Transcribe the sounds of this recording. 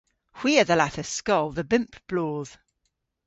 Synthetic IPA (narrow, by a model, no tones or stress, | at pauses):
hw̥iəðəlaθəskɔlˠðəbɪ̃mpb̥lɔːð̥